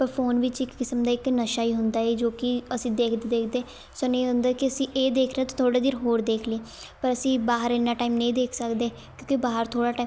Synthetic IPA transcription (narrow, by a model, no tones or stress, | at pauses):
pəɾpʰoːnʋɪt͡ʃɪkːɪsəmd̪aːɪknəʃaːiːɦʊnd̪aːeːd͡ʒoːkɪəsĩːd̪eːkʰd̪ed̪eːkʰd̪eː | soneːɦʊnd̪aːekɪəsĩːʔeːd̪eːkʰɾeaːt̪ãːt̪ʰoːɽaːd̪iːɾɦoːɾd̪eːkʰliː | pəɾəsĩːbaːɦəɾɪnːaːʈaːimnẽĩːd̪eːkʰsəkd̪eː | kjõːkibaːɦəɾt̪ʰoːɽaːʈaː